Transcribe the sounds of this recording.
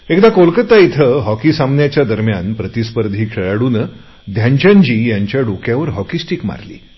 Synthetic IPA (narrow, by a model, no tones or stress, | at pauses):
ekd̪akolkət̪ait̪ʰəɦɔkisamnjat͡ɕjad̪əɾmjanpɾət̪ispəɾd̪ʱiːkʰeɭaɽuːnə | d̪ʱjaɲt͡ɕãɲt͡ɕiːjaɲt͡ɕjaɖokjaʋəɾɦɔkisʈikma̰ɾlḭː